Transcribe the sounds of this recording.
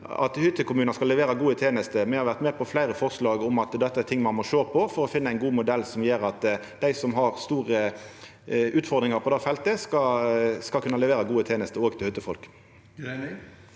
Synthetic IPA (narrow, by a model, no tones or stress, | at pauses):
ɑ̰t̪hʏt̪ːəkʊmʉːnɑskɑlːɛʋeːɾəɡuːət̪ʰeːnəst̪əmɛhɑɾʁʋæʁt̪mɛːpʰɔflæɪɾəfɔʁslɑːɡʊmɑt̪d̪ɛt̪ːəæt̪ʰɪŋːmɑnmɔʃøːpʰɔfɔɾɔfɪnːəæɪnɡuːmʊd̪ɛlːsɔmjeːɾɑt̪ | d̪æɪsɔmɦɑʁst̪uːʁə | ʔʉːt̪fɔɾd̪ʁɪŋɑɾpʰɔd̪ɑfɛlt̪əskɑskɑlkʉnːəlɛʋeːɾəɡuːət̪ʰeːnəst̪əoːɡt̪ʰɪlhʏt̪ːəfɔlk